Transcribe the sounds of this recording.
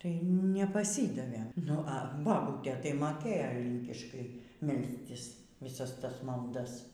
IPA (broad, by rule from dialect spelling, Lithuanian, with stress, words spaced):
tɐɪ nʲɛpɐˈsʲiːdɐʋʲeːm nʊ ɐ bɐˈbuːtʲeː tɐɪ ˈmoːkʲeːjoː ˈlʲiːŋʲkʲɪʃkɐɪ ˈmʲɛlʲsʲtʲɪs ʋʲɪˈsɐs ˈtɐs mɐlˠˈdɐs